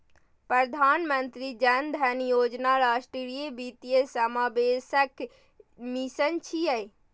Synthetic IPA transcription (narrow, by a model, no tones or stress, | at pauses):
pɾəd̪ʱanmənt̪ɾid͡ʒənd̪ʱɛnjod͡ʒnaɾasʈɾiɾijebit̪ijesəmabesək | misənt͡ʃʰijəj